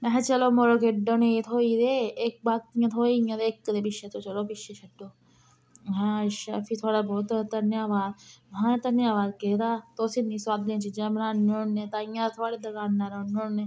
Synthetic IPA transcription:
mɛɦt͡ʃəloːmoːɾokeɖoːnẽːet̪ʰoːid̪eːek̚baːk̚t̪ijãːt̪ʰoːijãːd̪eːkːd̪eːpɪʃet̪oːt͡ʃəloːpɪʃet͡ʃʰɐɖoː | ɦɛ̃ːʃaːfʰiːt̪ʰoːɽaːbɔːt̪t̪ənjaːʋaːzɦãːt̪ənjaːʋaːzket̪aːt̪oːsiːnĩːswaːd̪lẽt͡ʃid͡ʒãːmnãːnoːẽːt̪aːɪjãːt̪ʰoːɽeːd̪ɐkaːnːaːɾoːnoːẽː

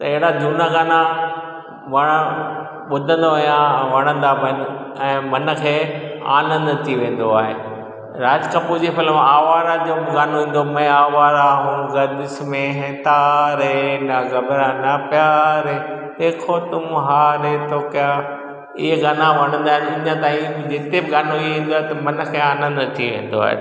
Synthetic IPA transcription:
t̪ɐeɦɪɽad͡ʑuːnaɡaːna | ʋɐɽ̃ə | ɓʊd̪ʱə̃nd̪oɐjãʋɐɽ̃ə̃nd̪abɐn | ɛ̃ːmɐnə̆kʰeːa̰ːnə̃nd̪t̪ʰiʋẽːn̆d̪oaːɦe | ɾaːd͡ʑkɐpud͡ʑefʰɪlaːʋaːɾad͡ʑoːbɪɡaːnoɦĩːnd̪omɛ̃aːʋaːɾaɦũːɡɐd̪ɪsmẽɦeːt̪aːɾɦenɐɡɐbɾanɐpjaːɾɦeː | eːkʰot̪ʊmɦaːɾet̪oːkja | ɪɦeɡaːnãʋɐɽ̃ə̃nd̪aːɦɪnʊ̃ɲə̃t̪aːĩd͡ʑɪt̪ebɪɡaːnoieĩːnd̪oaːɦet̪ɐmɐnkʰeːaːnə̃nd̪t̪ʰiʋḛ̃ːn̆d̪o̰a̰ːɦḛ

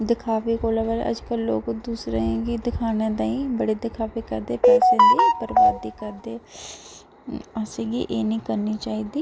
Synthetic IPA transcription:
d̪ɪkʰaːpiːkoːlaːbəɾ̰ə̰d͡ʒkəlːo̰ːkd̪uːsɾẽːɡid̪ɪkʰaːnẽːd̪ãːĩːbəɽeːd̪ɪkʰaːpiːkəɾd̪eːpɛːsẽːd̪eːpəɾʋaːd̪iːkəɾd̪eː | aːsiːɡḭːʔeːnĩːkəɾniːt͡ʃaːiːd̪iː

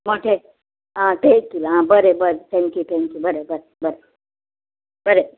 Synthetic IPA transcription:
moʈʰe | ɦãt̪ekːilaɦãbəɾebəɾet̪ʰɛ̃ŋkjut̪ʰɛ̃ŋkjubəɾebəɾebəɾe | bəɾe

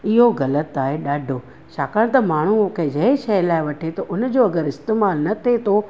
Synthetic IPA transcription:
ɪɦoɣɐlət̪aːɦeɗaːɖʱo | t͡ɕaːkaɽ̃t̪ɐmaːɳ̤uukʰed͡ʑɐʃɐjlaːɪʋɐʈʰet̪oʔʊnd͡ʑoːɐɡəɾɪst̪eːmaːlnɐt̪ʰet̪ʰo

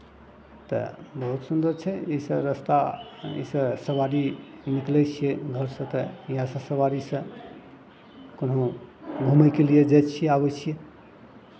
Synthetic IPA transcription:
t̪ə̰bəɦut̪sund̪əɾt͡ʃʰɛisə̃ɾəst̪aḭsə̃səwaɾiniklɛt͡ʃʰijeɡʱəɾsə̃t̪əjãsə̃səwaɾisə̃ | konɦõɡʱumɛkelied͡ʒajt͡ʃʰijeabɛt͡ʃʰije

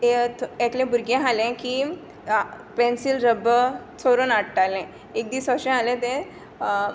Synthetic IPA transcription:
eat̪lẽbuɾɡẽɦalẽkiː | pensilɾəbət͡sʰoɾonaʈʈalɛ̃ | ek̚d̪iːsəɕẽɦalẽt̪ɛ̃

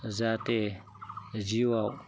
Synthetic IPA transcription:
zate | d͡ʒiwaw

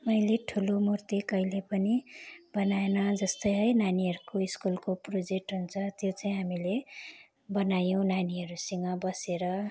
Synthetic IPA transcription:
mʌjleʈʰulomurt̪ikʌijlepʌnib̥ʌnaenʌd͡zʌst̪ʌjɦʌjnaniɦʌɾukoiskulkoprod͡zek̚ʈɦunt͡sʰʌt̪jot͡saĩɦamile | bʌnajõnaniɦʌɾusʌŋɡʌbʌseɾʌ

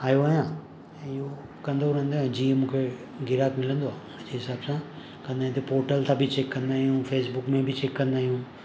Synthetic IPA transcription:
aːjoaːjã | ɪɦo | kɐ̃nd̪oɾə̃nd̪oɛ̃d͡ʑiːẽmũːkʰe | ɡɪɾaːkmɪlə̃nd̪oaː | ɐd͡ʑeɦɪsaːbsã | kɐ̃nd̪aːĩt̪ʰepoːɾʈəlt̪ʰãbʱɪt͡ɕeːkːɐ̃nd̪aːɦijũfeːsbʊkmẽbʱɪt͡ɕeːkːɐ̃nd̪aːɦijũ

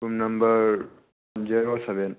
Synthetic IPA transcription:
umnɐmbəɾ | nd͡ʒiɾosɛʋɛn

